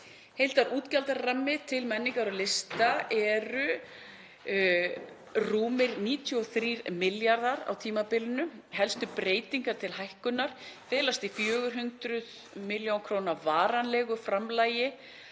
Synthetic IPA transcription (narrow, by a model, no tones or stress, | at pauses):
hejlt̪aɾʔuːt̪calt̪aɾramːɪt̪ʰɪlmɛnːiŋkaɾʏlɪst̪aɛɾʏ | ruːmɪɾniːt̪ʰjɔθɾiːɾmɪljaɾðaɾa̰wt̪ʰiːmapɪlʏnʏɦɛlst̪ʏpɾeːjt̪iŋkaɾ̥t̪ʰɪlhajhkʏnːaɾ̥fɛːlast̪ifjœːɣʏɾ̥ɦʏnt̪ɾʏð | mɪljowkʰɾownavaːɾanlɛɣʏfɾamlaːjɪ